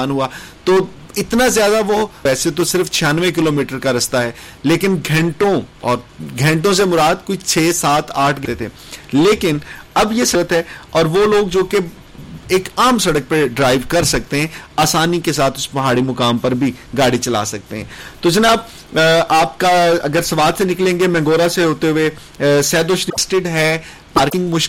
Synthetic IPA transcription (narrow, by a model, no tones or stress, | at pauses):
nɦuat̪oː | ɪt̪nazjaːd̪aʋoʋɛːset̪osɪɾft͡ʃʰɪjaːnʋẽk̬ɪloːmiːʈəɾkaɾɐst̪aɦɛː | leːkɪnɡʱɛ̃ɳʈõɔːɾɡʱɛ̃ɳʈ̬õs̬emʊɾaːd̪̚koit͡ʃʰeːsaːt̪ʰaːʈʰɡ̪et̪ʰeː | leːkɪnɐbjesɐɾət̪ɦɛɔːɾʋoloːɡd͡ʒoːke | eːkaːmsɐɽək̚peɖɾaːɪʋkɐɾsɐk̚t̪eɦɛ̃aːsaːnikesaːt̪ʰʊspɐɦaːɽimʊkaːmpɐɾbʱiɡaːɽit͡ʃɐla̰ːsɐk̚t̪eɦɛ̰̃ːt̪od͡ʒɐnaːb̚ | aːp̚kaɐɡəɾsɐʋaːd̪senɪklẽːŋɡemɛ̃ːŋɡoːɾaseɦoːt̪eɦʊe | sɛːd̪oːʃɾisʈɪɖɦɛ | paːɾkɪ̃ŋɡmʊʃk